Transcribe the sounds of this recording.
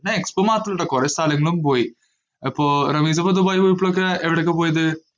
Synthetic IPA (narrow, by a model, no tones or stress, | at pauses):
nɐekspomaːt̪ːɐlɽːɐkɔɾɐst̪aːlɐŋɡɐɭɯmpoːji | ɐpːoːɾɐmiːs̬ɐpːɐd̪ubaːjpoːjipːɭok̬ːɾɐʔɛʋiɽɐkːɐp̬oːjɐðɯ